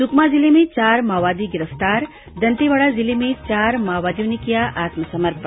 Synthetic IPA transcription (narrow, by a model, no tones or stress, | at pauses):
sʊkmazilemẽt͡ʃaːɾmaːʋaːd̪iɡɪɾəft̪aːɾ | d̪ɐnt̪iʋaɭazilemẽt͡ʃaːɾmaːʋaːd̪ijõnekijaʔaːt̪məsɐməɾp